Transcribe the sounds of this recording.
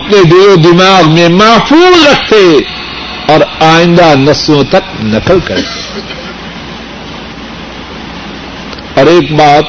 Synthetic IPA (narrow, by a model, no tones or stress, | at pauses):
ɐpned̪ɪlod̪ɪmaːɣmẽmaːfʰuːzɾɐk̚ʰt̪ʰe | ɔːɾaːɪ̃nd̪anɐsõt̪ɐknɐkəlkɐɾe | ɔːɾeːk̚baːt̪